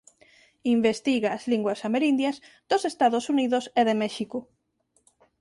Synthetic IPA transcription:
imbest̪iɣaːzliŋɡwasameɾind̪jaz | d̪osest̪aðosuniðoseðemɛʃiko

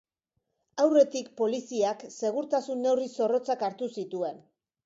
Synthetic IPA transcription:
awre̞t̪ik̚po̞lisiakse̞ɣuɾt̪asunːe̞wriso̞ro̞t͡sakaɾt̪usit̪ue̞n

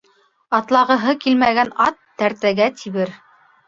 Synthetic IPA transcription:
ɑt̪lˠɑʁɤ̆ɦɤkilmæɡænɑt̪ːæɾt̪æɡæt̪ʰiβɘɾ

